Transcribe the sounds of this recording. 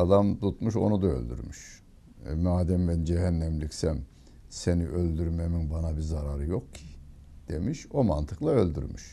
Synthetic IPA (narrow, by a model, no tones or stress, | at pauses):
ad̪amt̪ʰut̪muʃo̞̰nud̪aø̰lʲd̪y̰ɾmyʃ | maːd̪æmbænd͡ʒeɦænːæmlʲicsæm | seniʔø̞lʲd̪yɾmeminbanabizaɾaɾɯjo̞kcʰi | d̪̥e̞miʃo̞ma̰nt̪ʰɯklˠaø̞lʲd̪y̰ɾmy̰ʃ